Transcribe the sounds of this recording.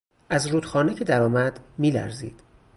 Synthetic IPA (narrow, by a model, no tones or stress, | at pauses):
ʔæzɾuːd̪xɒːnecʰe̞d̪æɾɒːmæd̪miːlæ̰ɾzḭːd̪̥